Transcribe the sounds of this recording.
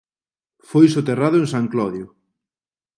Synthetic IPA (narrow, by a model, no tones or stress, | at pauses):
fojsot̪eraðʊeŋsaŋklɔðjʊ